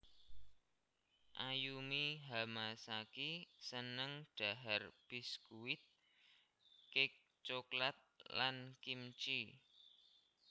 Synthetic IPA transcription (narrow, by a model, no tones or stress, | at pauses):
ʔajumiɦamasakisənəŋɖ̥a̤ɦarb̥iskuwɪt̪̚ | kɪk̚ | t͡ʃoklat̪̚lankimt͡ʃi